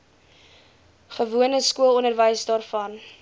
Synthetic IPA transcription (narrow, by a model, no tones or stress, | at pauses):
χəvuənəskuəlˠɔnərvəjsdɑːrfɐn